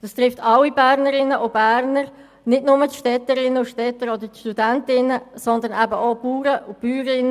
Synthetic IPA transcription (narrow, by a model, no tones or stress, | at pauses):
d̥ɑst̪ɾɪftʰɑlːibæːɾnəɾɪnəʔobæːɾnəɾ | nɪtnʊmətʃtɛtəɾɪnəʊʃtɛtəɾod̪əɾtʃtudæntɪnəsɔnd̪ənæbəʔoːpuːɾəʔʊpyːɾɪn